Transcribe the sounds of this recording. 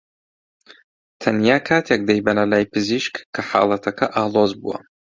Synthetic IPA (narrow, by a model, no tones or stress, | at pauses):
t̪ʰɐnjaːkʰaːt̪ʰjɛk̚d̪ɐjbɐnɐlaːjpʰɨziʃkkʰːɐħa̰ːlˠɐt̪ʰɐkʰɐʔaːlˠoːzbṵwɐ̰